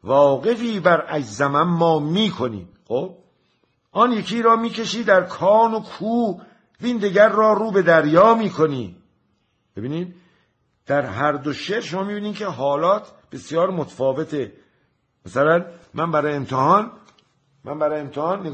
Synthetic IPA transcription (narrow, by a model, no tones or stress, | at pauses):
vɒːɣe̞ɣiːbæɾʔæd͡ʒzæmæmːɒːmiːkʰo̞nḭː | xob̥̚ | ʔɒːnjekʰiːɾɒːmiːke̞ʃiːd̪æɾkʰɒːnokʰuː | viːnd̪eɡæɾːɒːɾuːbe̞d̪æɾjɒːmiːkʰo̞niː | bebiːniːd̪ | d̪̥æɾɦæɾd̪oʃeːɾʃomɒːmiːbiːniːd̪cʰe̞ɦɒːlɒːt̪ʰb̥e̞sijɒːɾmot̪ʰfɒːve̞t̪ʰe | mæsælænmænbæɾɒːjemt̪ʰehɒːn | mʔæ̰nbæɾɒːjemt̪ʰehɒːnːe